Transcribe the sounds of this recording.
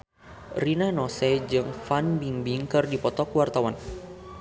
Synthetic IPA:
rinanɔsɛd͡ʒɨŋfanbiŋbiŋkɨrdipɔt̪ɔkwart̪awan

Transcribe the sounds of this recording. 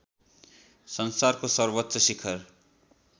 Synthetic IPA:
sʌnsarkosʌrbʌtːsʌsikʰʌr

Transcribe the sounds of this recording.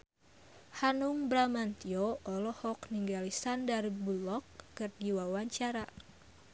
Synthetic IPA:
hanuŋbɾamant̪ioʔɔlɔhɔkniŋɡalisandarbulɔkːɨrɡiwawaɲt͡ʃaɾa

